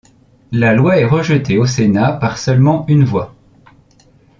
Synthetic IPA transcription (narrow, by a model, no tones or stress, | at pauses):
lalwaɛʁəʒət̪eosenapaʁsœlmɑ̃ynvwa